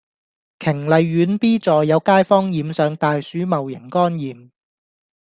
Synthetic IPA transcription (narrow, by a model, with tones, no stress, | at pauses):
kʰɪ˨˩ŋlɐ˨˧jːyː˨˧˥npiː˥t͡sɔː˨jːɐ˨˧wkaː˥jfɔː˥ŋjiː˨msœː˨˧ŋt̪aː˨jsyː˨˥mɐ˨wjɪ˨˩ŋkɔː˥njiː˨m